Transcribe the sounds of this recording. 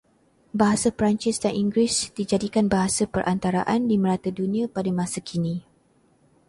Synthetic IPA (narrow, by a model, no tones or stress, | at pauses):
baɦasapɾant͡ʃɪsdanʔiŋɡɾisd̥id͡ʒadikanbaɦasapəɾʔant̪aɾa̰ʔandiməɾat̪adunĩãpadamãsakʰinĩ